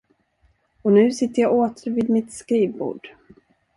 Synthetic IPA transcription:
ɔnʉ̟ːsɪt̪ːəɾjɑːʔoːt̪ʰəɾviːd̪mɪt̪skɾiːvbṵːɖ̥

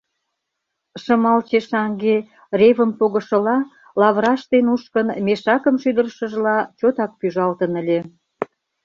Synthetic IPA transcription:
ʃə̆mɑlt͡ɕeʃɑŋɡe | reβəmpoɣə̆ʃə̆lɑ | lɑβɾɑʃt̪enuʃkənmeʃɑkəmʃyd̪ərʃə̆ʒlɑt͡ɕot̪ɑk̚pyʒɑlt̪ənəlʲe

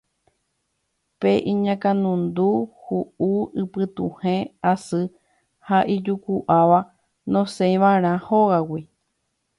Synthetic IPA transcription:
peʔĩɲãkãnũnd̪uhuuɨpɨt̪ũhẽasɨ | haʔid͡ʒukuʔaʋa | nõsejʋãɾ̃ãhoɣawi

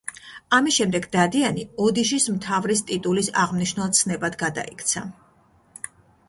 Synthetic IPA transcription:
amisʃɛmd̪ɛɡd̪ad̪ianiɔd̪iʃismt̪ʰavɾist̪ʼit̪ʼulisa̰ʁmniʃnalˠt̪sʰnɛbad̪ɡad̪a̰ikʰt̪sʰa

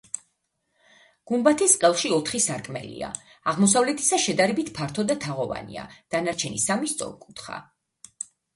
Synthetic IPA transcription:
ɡ̥umbat̪ʰɛsqʼɛlˠʃiɔt̪ʰχisaɾkʼmɛ̰lḭa̰ | aʁmɔsavlɛt̪ʰi̥saʃɛd̪aɾɛbit̪ʰpʰaɾt̪ʰɔd̪at̪ʰaʁɔva̰nḭa̰d̪̥anaɾt͡ʃʰɛnḭsamist̪sʼɔ̰ɾkʼut̪ʰχa̰

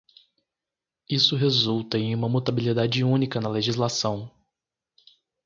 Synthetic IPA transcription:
isʊɦezuwt̪ɐẽj̃ũmɐmut̪abilid̪ad͡ʒɪũnikɐnɐleʒizlasɐ̃w̃

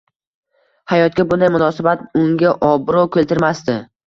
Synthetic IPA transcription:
hajɒt̪̚kʲabʊnd̪ajmʊnɒsabat̪ʊŋɡʲaʔɒbɾɒkʲʰelt̪ɪɾmast̪ɪ

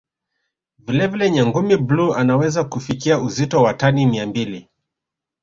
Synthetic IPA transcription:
vilɛvilɛɲaŋɡumibluanawɛzakufikiauzitɔwatanimiambili

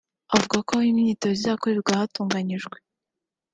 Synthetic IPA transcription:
avuɡakoaiminitozizakoɾiβiɾɡwahatuːŋɡaɲiʒɡwe

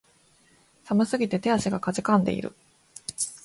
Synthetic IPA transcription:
samasɨɡʲit̪e̞t̪e̞aɕiɡakazikãnd̪e̞̰ḭɾɯ̟̰

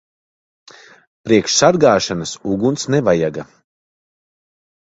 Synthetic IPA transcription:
pɾiɛkʃsaɾɡaːʃanasuɡunt̪snɛvajaɡa

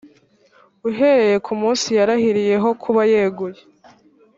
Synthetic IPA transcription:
uɦe̞ɾeje̞kʰumuːnsijaɾahiɾije̞ɦo̞kʰuβajeːɡuje

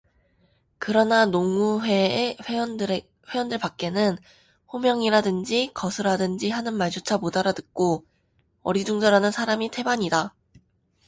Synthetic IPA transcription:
kɯɾʌnanoŋuɦeɸeʌn | we̞jʌndɯɭpak̚k͈e̞nɯn | ɸomjʌŋiɾadɯnd͡ʑikʌsʰɯɾadɯnd͡ʑiɦanɯnmaɭd͡ʑot͡ɕʰamodaɾadɯk̚k͈o | ʌ̰ɾid͡ʑuŋd͡ʑaɾanɯnsʰaɾamitʰe̞baɲida

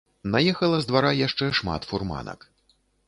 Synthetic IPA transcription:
najɛxɐlˠɐzd̪vaɾajaʂt͡ʂɛʂma̰t̪furma̰nɐ̰k

